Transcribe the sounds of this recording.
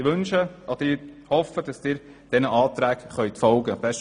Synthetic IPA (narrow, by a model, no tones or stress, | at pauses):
ɪʋɵnʃəʔɔd̥̪əɪhɔfːəd̥ɑsd̥ɪːɾ | d̥ɛnəʔɑːt̪ɾæːkχœʏt̪fɔlɡəbɛʃ